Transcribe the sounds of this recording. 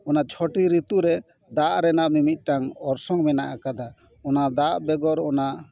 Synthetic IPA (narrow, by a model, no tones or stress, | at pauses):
ɔnat͡ʃʰɔʈiɾit̪uɾɛ | d̪aʔɾɛnaʔmimit̪̚ˀʈaŋɔɾsɔŋmɛnaʔakad̪a | ɔnad̪aʔbɛɡɔɾɔnaʔ